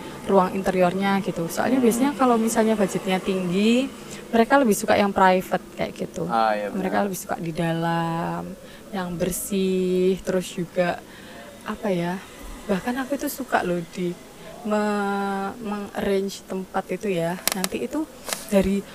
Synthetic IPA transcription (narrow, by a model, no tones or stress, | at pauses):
ruaŋḭnt̪əɾiorɲaɡit̪usoʔa̰lɲabiasɲakalawmisalɲabad͡ʒɪt̪̚ɲat̪iŋɡi | məɾekaləbɪhsukaʔjaŋpɾajfət̪̚ka̰ja̰ʔɡit̪uməɾekaləbɪhsu̥ka̰ʔdidalam | jaŋbərsɪht̪əɾʊsd͡ʒuɡaʔ | ʔapaja | bahkanakuit̪usuka̰ʔlodi | mə | məŋrɛɲt͡ʃt̪əmpat̪it̪ujanant̪iːt̪u | d̥aɾi